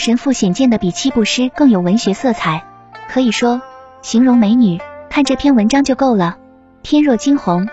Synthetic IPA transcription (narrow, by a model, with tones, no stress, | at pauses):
ʂə˧˥nfu˥˩ɕjɛ˨˩nt͡ɕjɛ˥˩nd̪ə˩pi˨˩t͡ɕʰi˥pu˥˩ʂɻ̩˥kɤ˥˩ŋjo˨˩ʊwə˧˥nɕɥɛ˧˥sɤ˥˩t͡sʰa˨˩˦ɪ | kʰɤ˧˥i˨˩ʂwɔ˥ | ɕi˧˥ŋɻʊ˧˥ŋme˧˥ɪny˨˩˦kʰa˥˧nʈ͡ʂɤ˥˩pʰjɛ˥˩nwə˧˥nʈ͡ʂɑ˥ŋt͡ɕjo˥˧ʊko˥˩ʊlə˩ | t̪ʰjɛ˥nɻwɔ˥˩t͡ɕi˥nxʊ˧˥ŋ